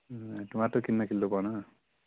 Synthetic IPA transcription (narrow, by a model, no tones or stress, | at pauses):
tumatokinːakʰilːopana